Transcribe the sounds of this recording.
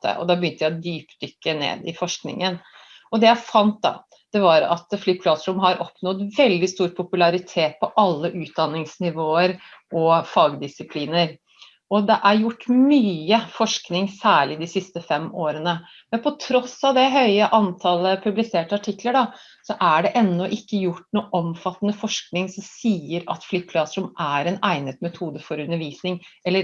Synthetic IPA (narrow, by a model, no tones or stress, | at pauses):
t̪ə̰ʔɔ̰d̪ɑbəʏnt̪əjæd̪yːpd̪ʏkːənḛːd̪ɪfɔʂknɪ̰ŋən | ɔd̪ɛjæɪfɑnt̪̚d̪ɑ̰ | d̪̥ɛʋɑɾɑ̰t̪flyːpʰlɑsɾʊmɦɑɾɔpnɔd̪ʋɛld̪ɪst̪uːɾpʰʊpʉlɑɾɪt̪ʰeːt̪̚pʰɔʔɑlːəʔʉːt̪̚d̪ɑnːɪŋsnɪʋoːəɾʔɔfɑːɡd̪ɪsɪpʰliːnəɾ | ɔd̪ɛʔæɾjʊʈːmyːəfɔʂknɪŋsæːɭɪd̪ɪsɪst̪əfɛmoːɾənə | mɛnpʰɔt̪ʰɾɔsɑʋd̪ɛɦœʏəʔɑnt̪ʰɑləpʰʉblɪseːʈəɑʈʰɪkːləɖɑ | sɔʔæɖɛʔɛnːɔʔɪkːəjʊʈːnuːʔɔmfɑt̪ːənəfɔʂknɪŋsɔmsiːəɾɑ̰t̪fliːpʰlɑsɾʊmʔæɾɛnæ̰ɪnət̪mɛt̪ʰuːd̪əfɔɾʉnːəɾʋiːsnɪŋɛlːəɾ